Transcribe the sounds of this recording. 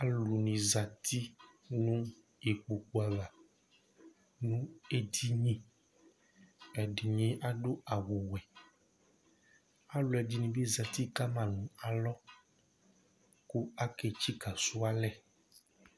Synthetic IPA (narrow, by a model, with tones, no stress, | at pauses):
a˦lu˨nĩ˨za˨t̪i˦ | nũ˦ | je˨k͡po˨k͡pu˨a˨la˨ | nũ˦e˦di˦ɲĩ˦ | ɛ˨ɖe˨ɲĩ˦ʔa˦ɖo˦a˨wu˨wɛ˨ | a˦lu˨ɛ˨di˦nĩ˨be˦za˨t̪i˦ka˦mã˨nũ˨a˨lɔ˦ | ku˦a˦ke˨t͡ʃi˦ka˨su˦a˦lɛ˨